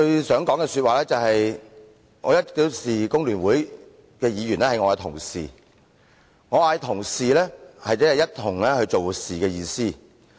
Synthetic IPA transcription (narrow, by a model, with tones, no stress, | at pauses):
t͡ʃɵ˧ɥsœː˨˥ŋkɔː˨˥ŋkɛː˧syː˧t̚waː˨lɛː˥t͡sɐ˨whɐ˨j | ŋɔ̰ː˨˧jɐ˥t̚k̪iː˧wsiː˨kʊ˥ŋlyː˨˩nwuː˨˥j | kɛː˧jiː˨˧jyː˨˩nlɛː˥hɐ˧ŋɔː˨˧kɛ˧t̪ʰʊ˨˩ŋsiː˨ | ŋɔː˨˧a˧˨˧jt̪ʰʊ˨˩ŋsiː˨lɛː˥hɐ˨jt͡sɐ˥ɐ˨jɐ˥t̚t̪ʰʊ˨˩ŋlɛ˥hɵ˧ɥt͡ʃo˨wsiː˨˩kɛː˧jiː˧siː˥